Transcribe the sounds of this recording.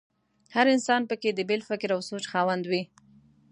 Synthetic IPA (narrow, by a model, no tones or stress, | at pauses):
haɾɪnsɑnpəked̪əbɪlfɪkɾawsot͡ʃxɑwand̪wi